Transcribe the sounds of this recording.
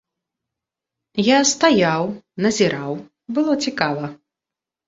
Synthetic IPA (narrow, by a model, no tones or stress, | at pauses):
jast̪ajawnɐzʲiɾaw | bɨlˠɔt͡sʲikavɐ